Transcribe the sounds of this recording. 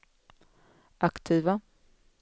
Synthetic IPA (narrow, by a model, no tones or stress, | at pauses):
ʔakt̪ʰiːva